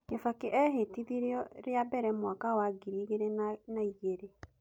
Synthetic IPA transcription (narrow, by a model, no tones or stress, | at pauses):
ɡefakeʔɛɦetiðiɾeɔɾeabɛɾɛmwakawaɡiɾiɣeɾennaiɣeɾe